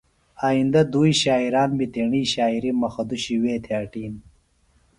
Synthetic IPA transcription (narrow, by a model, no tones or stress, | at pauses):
aːind̪ɐd̪uːiɕaːiɾaːnmit̪iɳiːɕaːiɾimɐxɐd̪uɕiweːt̪ʰeaʈiːn